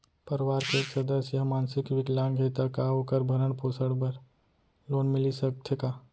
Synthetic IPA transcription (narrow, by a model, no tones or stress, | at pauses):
pɐɾʋaːɾkeːksɐd̪əsjɐɦmaːnsɪkʋɪklaːnɡʱeːt̪akaokəɾbʱɐɾəɳpoːsəɽbɐɾ | loːnmɪlisɐkt̪ʰekaː